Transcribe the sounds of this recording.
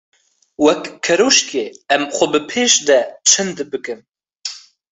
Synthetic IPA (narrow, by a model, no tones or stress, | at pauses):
wɛkkʰːɛɾoːʃkeːɛmxʷɔbɨpʰeːʃd̪ɛt͡ʃʰɨnd̪ɨbɨkɨm